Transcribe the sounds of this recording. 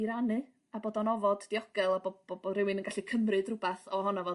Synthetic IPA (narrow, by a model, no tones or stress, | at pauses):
iɾanɨ | aboːdɔnɔvɔddiɔɡ̥ɛlˠabɔ̥ɔbɔrɪwɨnənŋɡaɬikʰəmrɨdrʊbaθɔɦɔnavɔ